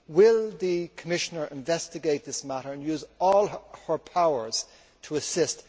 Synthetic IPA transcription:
wɪlˠðɨkʰəmɪʃənə˞ʔɪ̃ɱvɛstɨɡeɪt̪̚ðɪsmæɾə˞ə̃njʉːzɔlˠhə˞pʰaʊə˞z̥ | tʰəːsɪst

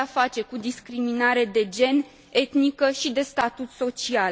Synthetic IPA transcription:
afat͡ʃe̞kud̪iskɾiminaɾe̞d̪e̞d͡ʒe̞n | e̞t̪nikəʃid̪e̞st̪at̪ut̪so̞t͡ʃial

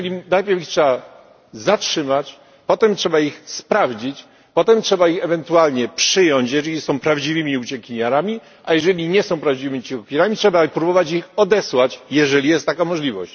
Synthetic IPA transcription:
ɛlʲinajpʲjɛɾfitʂɛa | zatʂɘmat͡ɕ | pɔt̪ɛmtʂɛbaixspɾavd͡ʑit͡ɕ | pɔt̪ɛmtʂɛbaixɛvɛnt̪ualɲɛpʂɘjɔɲt͡ɕjɛʐɛlʲisɔ̃w̃pɾavd͡ʑivɘmʲiut͡ɕɛkʲiɲaɾamʲi | ʔajɛʐɛlʲiɲɛsɔ̃w̃pɾavd͡ʑivɘmʲiut͡ɕɛkʲaɾamʲitʂɛbapɾubɔvat͡ɕixɔd̪ɛswat͡ɕjɛʐɛlʲijɛst̪ːakamɔʐlʲivɔɕt͡ɕ

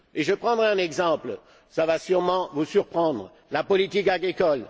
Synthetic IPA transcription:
eʒəpχɑ̃d̪ʁɛ̃nɛɡzɑ̃pl | savasyʁmɑ̃vusyʁpχɑ̃d̪ʁə | lapɔlit̪ikaɡʁikɔl

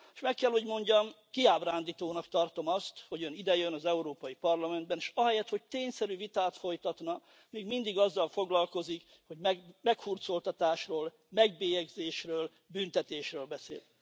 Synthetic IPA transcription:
ʃmɛkːɛlho̞ɟmo̞ɲɟɒm | kiaːbraːnd̪iːt̪oːnɒkt̪ɒrt̪o̞mɒst̪ho̞ɟønid̪ɛjønɒzɛuɾoːpɒjipɒrlɒmɛnd̪̚bɛneʃɒɦɛjɛt̪ho̞c̚t̪eːɲsɛɾyvit̪aːt̪fo̞jt̪ɒt̪nɒ | miːɡmind̪iɡɒzːɒlfo̞ɡlɒlko̞zik | ho̞ɟmɛmɛkfurt̪so̞lt̪ɒt̪aːʃroːl | mɛɡ̚beːjɛɡzeːʃrøːl | byːnt̪ɛt̪eːʃrøːlbɛsḛːl

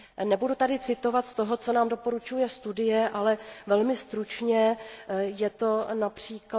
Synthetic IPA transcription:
nɛbudut̪adɪt͡sɪt̪o̞vat̪st̪o̞ɦo̞t͡so̞naːmdo̞po̞ɾut͡ʃujɛst̪udɪjɛʔalɛvɛlmɪst̪ɾut͡ʃɲɛ | jɛt̪o̞napr̝̥iːk

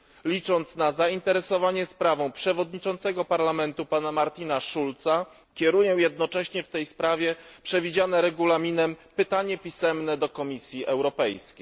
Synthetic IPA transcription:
lʲit͡ʂɔnt̪snazaint̪ɛɾɛsɔvaɲɛspɾavɔ̃w̃pʂɛvɔd̪ɲit͡ʂɔnt̪sɛɡɔpaɾlamɛnt̪upanamaɾt̪ʲinaʂult̪sa | kʲɛɾujɛ̃w̃jɛd̪̚nɔt͡ʂɛɕɲɛft̪ɛjspɾavʲjɛpʂɛvʲid͡ʑanɛɾɛɡulamʲinɛmpɘt̪aɲɛpʲisɛmnɛd̪ɔkɔmʲisʲjiʔɛwɾɔpɛjskʲejj

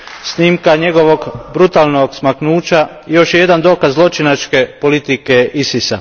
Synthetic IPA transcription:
sniːmkaɲe̞ɡo̞ʋo̞ɡbɾut̪aːlˠnoɡsmaknuːt͡ɕa | ijo̞ʃje̞d̪and̪o̞ːkazzlˠo̞t͡ʃinat͡ʃke̞po̞lit̪ikeisisa̰

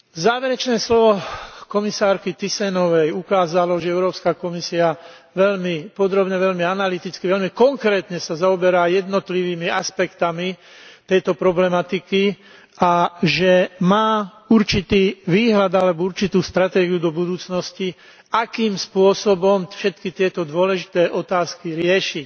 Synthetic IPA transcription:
zaːʋɛɾɛt͡ʃnɛːslɔʋɔkɔmisaːɾkit̪isɛnɔʋɛjukaːzalɔʒɛɛʊɾɔːpskakɔmisia | ʋɛʎmipɔd̪ɾɔbɲɛʋɛʎmianalit̪it͡skiʋɛʎmikɔŋkɾɛːt̪ɲɛsazaɔbɛɾaːjɛd̪nɔt̪liʋiːmia̰spɛkt̪ami | t̪ɛjt̪ɔpɾɔblɛmat̪iki | aʒɛmaː | uɾt͡ʃit̪iːʋiːɦlad̪alɛbɔuɾt͡ʃit̪uːst̪ɾat̪ɛːɡiud̪ɔbud̪uːt͡snɔsci | akiːmspʊɔsɔbɔmfʃɛt̪kit̪ɪɛt̪ɔd̪ʊɔlɛʒit̪ɛːʔɔt̪aːskiɾɪɛʃi

